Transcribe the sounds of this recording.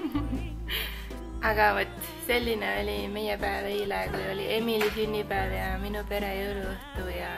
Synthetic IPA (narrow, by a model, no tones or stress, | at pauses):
ɑɡ̥ɑvot̪ːˑ | se̞lʲːineo̞lʲime̞jɛpæeveilɑekujo̞lʲiʔe̞milisynʲːipæːvjɑminupe̞ɾejɤwluəht̪ujɑ